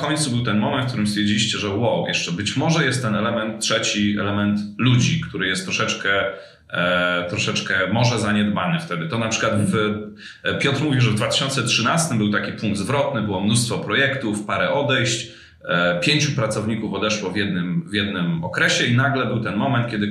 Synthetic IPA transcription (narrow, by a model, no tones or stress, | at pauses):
kɔɲʲt̪subɘwt̪ɛnmɔmɛnt̪fk̚t̪uɾɘmst̪fʲjeɾd͡ʑilʲiɕt͡ɕɛʐɛwɔwjɛʂt͡ʂɛbɘt͡ɕmɔʐɛjɛst̪ːɛnɛlɛmɛnt̪tːʂɛt͡ɕiɛ̰lɛmɛnt̪lud͡ʑikt̪uɾɘjɛst̪ːɾɔʂɛt͡ʂkɛ | t̪ɾɔʂɛt͡ʂkɛmɔʐɛzaɲɛd̪banɘft̪ɛd̪ɘt̪ɔnapʂɘkwat̪f | pʲjɔt̪ɾmuvʲiʐɛvd̪vat̪ɪ̥ɕɔnt̪sɛtʂɘnast̪ɘmbɘwt̪akʲipuŋɡd̪zvɾɔt̪nɘbɘwɔmnust̪fɔpɾɔjɛkt̪ufpaɾɛʔɔd̪ɛjɕt͡ɕ | pʲjeɲt͡ɕupɾat̪sɔvɲikufɔd̪ɛʂwɔvʲjɛd̪nɘmvʲjɛd̪nɘmɔkɾɛɕɛinaɡlɛbɘwt̪ɛnmɔmɛnt̪̚kʲjɛd̪ɘ